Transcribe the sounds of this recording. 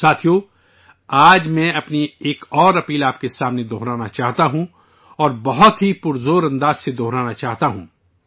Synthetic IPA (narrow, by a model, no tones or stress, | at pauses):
saːt̪ʰijo | aːd͡ʒmɛ̃ɐpnieːkɔːɾɐpiːlaːp̚kesaːmned̪ʱoːɦɾaːnat͡ʃaːɦt̪aɦũ | ɔːɾbɐɦʊt̪ɦipʊɾzoːɾɐ̃nd̪aːz̥sed̪oːɾaːnat͡ʃaːɦt̪aɦũː